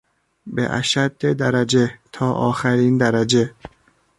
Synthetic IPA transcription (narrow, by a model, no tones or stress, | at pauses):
bḛʔæ̰ʃæd̪ːed̪æɾæd͡ʒe̞t̪ʰɒːʔɒ̰ːxæɾiːnd̪æɾæd͡ʒe